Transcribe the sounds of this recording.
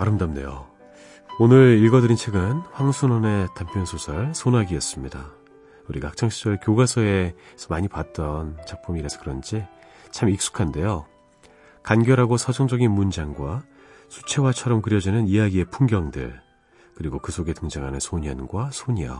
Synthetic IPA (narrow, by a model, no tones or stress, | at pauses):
aɾɯmdamdḛjo̰ | onɯɾiɭɡʌdɯɾint͡ɕʰwe̞ɡɯnɸwaŋsʰunʌne̞tampʰjʌnsʰosʰʌɭsʰonaɡiʌs͈ɯmɲida | uɾiɡaak̚t͡ɕ͈aŋɕʰid͡ʑʌɭkjoɡasʰʌe̞sʰʌmaɲipat̚t͈ʌnt͡ɕak̚pʰumiɾasʰʌ̥kɯɾʌnd͡ʑi | t͡ɕʰamik̚s͈u̥kʰande̞jo | kanɡjʌɾɦaɡosʰʌd͡ʑʌŋd͡ʑʌɡinmund͡ʑaŋɡwa | sʰu̥t͡ɕʰe̞wat͡ɕʰʌɾʌmkɯɾjʌd͡ʑinɯnijaɡie̞pʰuŋɡjʌŋdɯ̰ɭ | kɯɾiɡokɯsʰoɡe̞tɯŋd͡ʑaŋɦanɯnsʰoɲʌnɡwasʰoɲijʌ̰